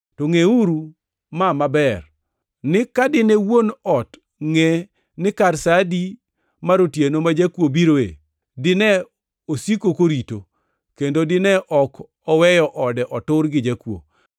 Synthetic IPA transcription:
toŋeuɾu | mamabɛr | nɪkadɪnewonɔt | ŋe | nɪkarsadi | maɾotjenomad͡ʒakwobiɾoḛ | dɪnɛ | osikokoɾito | kendodɪnɛʔɔk | ɔwɛjɔʔɔdɛʔɔtʊrɡɪd͡ʒakwo̰

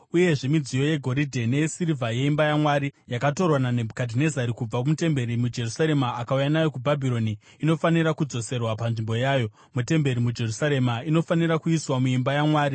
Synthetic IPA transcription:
uje̞ʐe̞mid͡zijo̞je̞ɡʱo̞ɾidʱene̞sirivaje̞imbajamwaɾijakato̞rwananebkadʱine̞zaɾikub͡vakumute̞mbe̞ɾimud͡ʒe̞rusaɾe̞maːkaujanajo̞kubʱabʱiɾo̞niː | no̞faniɾakud͡zo̞se̞rwapanʐimbo̞jaːjo̞ | mute̞mbe̞ɾimud͡ʒe̞rusaɾe̞maino̞faniɾakuiswamuimbajamwaːɾi

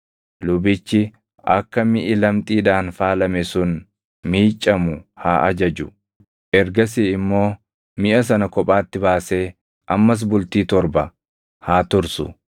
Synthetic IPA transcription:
lʊbɪt͡ʃːɪ | ɐ̰kːɐmɪʔɪlɐmt̪ʼiːᶑ̪aːnfaːlɐmɛsʊn | miːt͡ʃʼːɐmʊhaːʔɐd͡ʒɐd͡ʒʊ | ʔɛɾɡɐs̬iɪmːo̞ː | mɪʔɐs̬ɐnɐkɔpʼaːt̪ːɪbaːse̞ː | ʔɐmːɐs̬bʊlt̪iːt̪ɔɾbɐ | haːt̪ʊɾsʊ̰

